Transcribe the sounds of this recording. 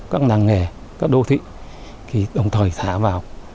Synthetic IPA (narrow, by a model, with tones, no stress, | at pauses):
kaː˦˥k̚naː˨˩˨ŋːɛ˨˩ | kaː˦˥k̚ɗo̰˧˨t̪ʰḭ˧˨ | k̪ʰi˨˩ɗə˨˩wŋ͡mt̪ʰəː˨˩jsʰaː˧˩vaː˨˩w